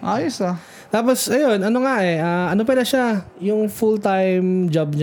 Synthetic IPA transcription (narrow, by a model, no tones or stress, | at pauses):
ʔoːjɛsɐ | t̪aːp̬osɐjonɐnoŋaʔɛaɐnop̬ɛlɐʃajʊŋfult̪ajmd͡ʒab̚ɲa